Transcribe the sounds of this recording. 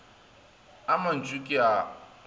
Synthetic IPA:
amɐnt͡ʃʼukʲʼia

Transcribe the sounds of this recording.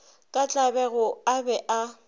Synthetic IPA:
kʼat͡ɬʼabɛɣʊabɛʔa

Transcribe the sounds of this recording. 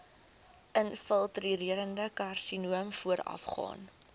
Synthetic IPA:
ʔənfəlˠtriɾiəɾəndəkɐrsinuəmfuəɾɐ̰fχɑ̰ːn

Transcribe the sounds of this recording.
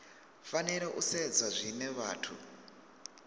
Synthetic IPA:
faniɾeʔused͡zaʐineʋaːtʰṵ

